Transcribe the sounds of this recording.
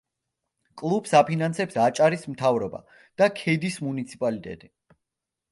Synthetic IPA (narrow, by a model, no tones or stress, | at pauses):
kʼlˠubsapʰinansɛpsat͡ʃʼaɾismt̪ʰavɾɔba̰ | d̪̥akʰɛd̪ismunit̪sʰipʼalit̪ʼɛ̰t̪ʼi